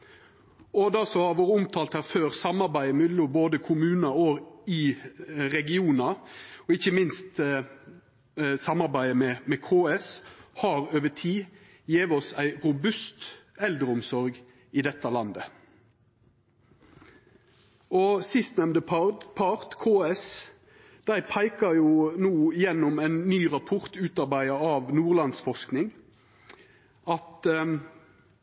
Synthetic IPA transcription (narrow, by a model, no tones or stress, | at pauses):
ɔd̪ɑsɔhɑʋoːɾəʊmt̪ʰɑːlt̪hæɾføːɾsɑmɑɾbæɪmʉlʊboːd̪əkʰʊmʉːnɑɔɪ | ɾɛɡɪuːnɑɔɪçːəmɪnst̪ | sɑmːɑɾbæɪəmɛmɛkʰoːɛshɑɾøːʋəʈʰiː | jeːʋəɔsæɪɾʊbʉst̪ɛld̪ɾəʊmsɔɾɡ | ɪd̪ɛt̪ːɑlɑnd̪ə | ʔɔsɪst̪nɛmnd̪əpʰɑʁt̪kʰoːɛs | d̪̥æɪpʰæɪkəjʊnuːɪjɛnːɔmæɪnːyːʁɑpʰʊʁt̪ʉːt̪ɑʁbæɪəɑʋnuːʁlɑnsfɔʁsknɪŋ | ɑt̪